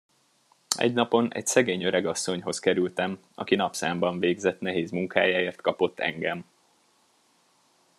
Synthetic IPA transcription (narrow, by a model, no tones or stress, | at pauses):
ɛ̰ɟnɒpo̞nʔɛ̰csɛɡeːɲøɾɛɡɒsːo̞ɲɦo̞skɛɾylt̪ɛm | ɒ̰kinɒpsaːmbɒɱveːɡzɛt̪nɛɦeːzmuŋka̰ːjaːeːrt̪kɒpo̞t̪ːɛ̰ŋɡɛm